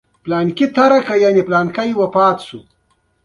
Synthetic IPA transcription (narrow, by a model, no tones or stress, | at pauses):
plɑːnkit̪aɾakajaniplaːnkajwapɑːt̪sṵ